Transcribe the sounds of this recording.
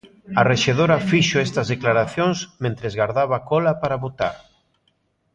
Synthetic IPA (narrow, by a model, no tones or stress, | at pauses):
areʃeð̞oɾafiʃoest̪azðeklaɾaθjoŋsmẽnt̪ɾezɣaɾðaβ̞akolapaɾaβot̪a̰ɾ